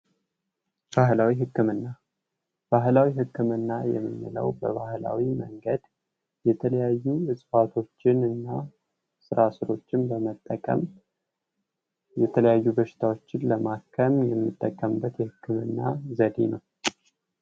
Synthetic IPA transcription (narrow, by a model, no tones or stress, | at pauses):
b̥aɦlawiɦɨkːɨmɨnːa | b̥aɦlawiɦɨkːɨmɨnːajɛ̰mːɨmːɨ̰lə̰wbəβahla̰wimə̰ŋɡəd̪ | jɛt̪ʰələjajːuɨsʼfat̪ʰo̞t͡ʃːɪnɨnːa | sɨɾasɨɾo̞t͡ʃːɪnbəmət̪ʼːəkʼə̰m | jɛt̪ʰələjajːubəʃɪ̥t̪ʰawo̞t͡ʃːɪnləmakʰəmjɛmːɨt̪ʼːəkʼːəmbːət̪jɛhɨkːɨmɨ̰nːazəd̪enəw